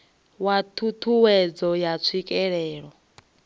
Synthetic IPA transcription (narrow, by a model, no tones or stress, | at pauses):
watʰutʰuwɛd͡zɔjat͡sʰikʼɛɺɛːɺɔ